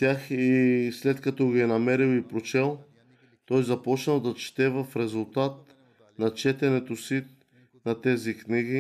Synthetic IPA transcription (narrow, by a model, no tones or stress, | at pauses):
t̪ʲjaxislɛt̪kɐt̪ɔɡiɛnɐmɛɾilˠipɾot͡ʃɛlˠ | t̪ɔjzɐpɔt͡ʃnɐlˠd̪ɐt͡ʃt̪ɛvɐfɾɛzulˠt̪at̪̚ | nɐt͡ʃɛt̪ɛnɛt̪osi | nɐt̪ɛzikniɡi